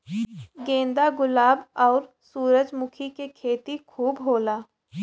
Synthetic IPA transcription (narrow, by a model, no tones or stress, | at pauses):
ɡẽːnd̪aɡʊlaːbɔːɾ | suːɾəd͡ʒmʊkʰikekʰeːt̪ikʰuːbɦoːlaː